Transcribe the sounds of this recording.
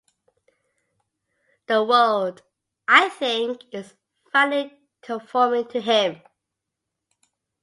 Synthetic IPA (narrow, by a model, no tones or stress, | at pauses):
ðəwɜld | ʔaɪθɪ̃ŋkɪz | fʌni | kʰəfɔmɪ̃ŋtʰəɦɪ̃m